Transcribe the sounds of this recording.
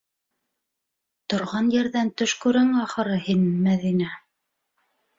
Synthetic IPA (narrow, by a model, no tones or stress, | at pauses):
t̪ŏɾʁɑnjɘ̆ɾðænt̪ɵ̆ʃkʉɾæŋɑχɤ̆ɾɤhinmæðinæ